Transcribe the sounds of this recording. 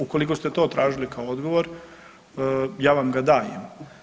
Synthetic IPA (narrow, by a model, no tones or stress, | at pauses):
ukolikost̪et̪o̞ːt̪ɾʔaːʒilikaood̪ɡo̞ʋo̞ɾ | jaːʋamɡad̪aːjḛm